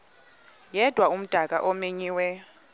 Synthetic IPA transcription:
jɛd̥ʱwaum̩d̥ʱak̬ʼa̰ʔɔmeɲiːwɛ

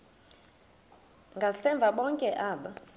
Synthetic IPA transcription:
ŋɡʱasɛɱvʱaɓɔŋkʼɛʔaːɓa

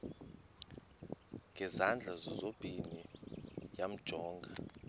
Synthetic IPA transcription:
ŋɡʱɛzand͡ɮʱazɔzob̥ʱini | jam̩d̥ʒ̥ʱɔːŋɡʱa

